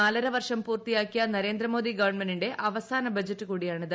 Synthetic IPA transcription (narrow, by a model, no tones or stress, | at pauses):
aːlɐɾɐʋɐrʂɐmpuːrt̪ijaːkːijɐnɐɾe̞ːnd̪rɐmo̞ːd̪iɡɐʋɐɳmɐnːiɳɖe̞ʔɐʋɐsaːnɐbɐd͡ʑɐtːɨkuːɽijaːɳið